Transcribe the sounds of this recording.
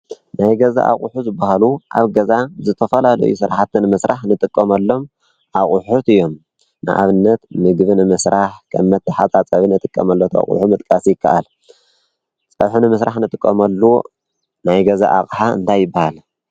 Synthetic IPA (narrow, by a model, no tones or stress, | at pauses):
najɡɐza̰ʔa̰χʼuħuzɨbːahaluʔaβɡɐzazɨt̪ʰɐfɐlalɐ̰jṵsɨɾaħat̪ːɨnmɨsɾʔaħnɨt̪ʼɨkʼːɐmɐlːo̞m | ʔaχʼuħut̪ɨjːo̞m | nɨ̰ʔa̰βɨnːɐt̪mɨɡβɨnɨmɨsɾaħkʰɐ̰mːɐt̪ːɨħat͡sʼat͡sʼɐβinɨt̪ʼɨkʼːɐ̰mɐlːot̪ʰa̰χʼṵħumɨt̪ʼkʼasjɪkʰːaʔal | t͡sʼɐβħunɨmɨsɾʔaħnɨt̪ʼɨkʼːɐmɐlːu | najɡɐza̰ʔa̰χʼħaɨ̰nt̪ʰajːɪbːahal